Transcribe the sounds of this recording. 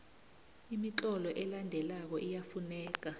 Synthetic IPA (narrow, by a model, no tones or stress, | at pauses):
imit͡ɬʼɔlɔʔɛlandʱɛlak̬ɔʔijafunɛːk̬a